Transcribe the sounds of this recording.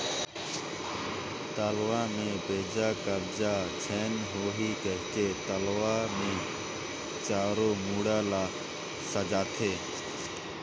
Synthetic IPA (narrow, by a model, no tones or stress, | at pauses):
t̪əːlʋaːmẽːbʱeːd͡ʒaːkəɾd͡ʒaːt͡ʃʰɛːnɦoːɦiːkəɦɪt͡ʃeːt̪əlʋaːmẽː | t͡ʃaːɾoːmuːɽaːlaːk | səd͡ʒaːt̪ʰeː